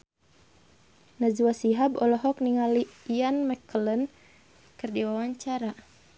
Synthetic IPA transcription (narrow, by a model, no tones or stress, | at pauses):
nazuwasiɦabɔlɔɦɔk̚niŋaliianmɛkələn | kɨrdiwawaɲt͡ʃaɾa